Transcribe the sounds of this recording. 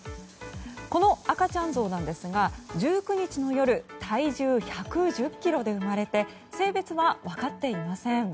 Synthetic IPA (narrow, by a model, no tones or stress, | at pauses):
ko̞no̞akat͡ɕãñzo̞ːnãnd̪e̞sɨɡad͡ʑɨːkɯ̟ɲ̟it͡ɕino̞jo̞ɾɯ̟t̪ʰaiʑɨːçakɯ̟ʑɨkʲːiɾo̞d̪e̞ɯ̟maɾe̞t̪e̞ | se̞ːbe̞t͡sɨβaβakat̪ːe̞imasẽ̞ɴ